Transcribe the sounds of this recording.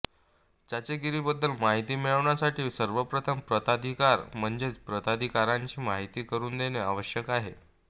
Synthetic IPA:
d͡ʑat͡ɕeɡiɾiːbəd̪ːəlmaɦit̪iːmiɭəʋɳjasaʈiːsəɾʋəpɾət̪ʰəmpɾət̪ad̪ʱikaɾm̤əɳd͡zet͡spɾət̪ad̪ʱikaɾaɲt͡ɕiːmaɦit̪iːkəɾuːnd̪eneaʋəɕjəkaɦe

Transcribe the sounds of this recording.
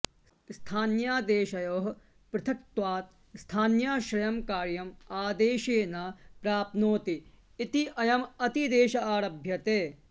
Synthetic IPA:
sst̪ʰaːnjaːd̪eːʃɐjoːɦ | pɾɐt̪ʰɐk̚t̪waːt̪̚ | st̪ʰaːnjaːʃɾɐjɐmkaːɾjɐmaːd̪eːʃeːnaːpɾaːpnoːt̪iː | t̪iʔɐjɐmɐt̪id̪eːʃɐaːɾɐbʱjɐt̪eː

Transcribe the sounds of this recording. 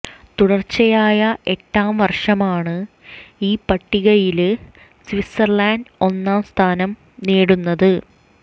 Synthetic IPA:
t̪uɽɐrt͡ɕɐjaːjɐʔe̞tːaːmʋɐrʂɐmaːɳɨ | iːpɐʈːiɣɐjil | sʋisɐrlaːndo̞nːaːmst̪ʰaːnɐm | neːɽunːɐðɨ

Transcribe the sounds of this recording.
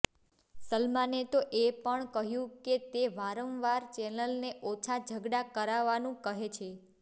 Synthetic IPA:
səlmanet̪oʔepəɳkəɦjũket̪eʋaɾə̃mʋaɾt͡ʃɛnəlneʔot͡ʃʰad͡ʒʱəɡɽakəɾaʋanũkəɦet͡ʃʰe

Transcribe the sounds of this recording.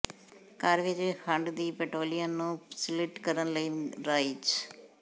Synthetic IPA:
kaːɾʋed͡ʒhãɳɖd̪iːpɛʈɾoːlijənːũːsɪlɪʈkəɾənləinɾait͡ʃ

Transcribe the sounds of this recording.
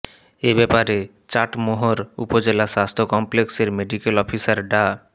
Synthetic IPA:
ebɛpaɾe | t͡ɕaʈmoɦoɾṵpod͡ʑelaʃast̪ʰokɔmplekseɾmeɖikelɔpʰisaɾɖa

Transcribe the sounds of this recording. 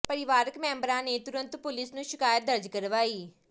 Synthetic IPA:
pəɾɪʋaːɾəkmɛ̃ːmbɾãːneːt̪ʊɾə̃nt̪pʊlɪsnũːʃɪkaːjət̪̚d̪əɾd͡ʒkəɾʋaːiː

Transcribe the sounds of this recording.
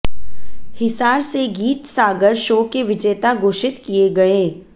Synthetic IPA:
hɪsaːɾseɡiːt̪saːɡəɾʃoːkeʋɪd͡ʒɛːt̪aɡoːʃɪt̪kieɡɐeː

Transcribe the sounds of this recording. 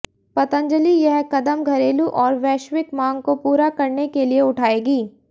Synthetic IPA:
pɐt̪ə̃ɲd͡ʒəlijɐɦkɐd̪əmɡʱɐɾeːluʔɔːɾʋɛːʃʋɪkmãːŋɡkopuːɾakɐɾnekelieʊʈʰaːeːɡiː

